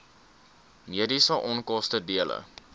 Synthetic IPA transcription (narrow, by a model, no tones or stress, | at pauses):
miədisəʔɔnkɔstədiələ̰